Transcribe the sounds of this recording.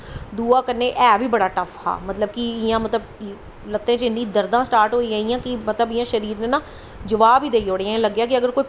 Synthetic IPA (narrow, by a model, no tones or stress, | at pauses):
d̪uːaːkəɾneːʔɛːʋiːbəɽaːʈəfʰha̰ːmət̪ləb̚kɪɪjãːmət̪ləb | lət̪ːẽːt͡ʃɪnːĩːd̪əɾd̪ãːsʈaːɾʈɦoːiːaːiːjãːkɪmət̪ləbɪjãːʃəɾiːɾnẽːnãː | d͡ʒəʋaːbiːd̪eːioːɽeãləɡːjaːkɪəɡəɾkoːiː